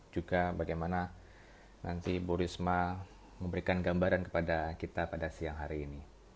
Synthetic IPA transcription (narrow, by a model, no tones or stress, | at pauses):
d͡ʒuɡabaɡajmana | nant̪ibuɾisma | məmbəɾikanɡambaɾankə̥padakit̪apadasiaŋɦaɾiːni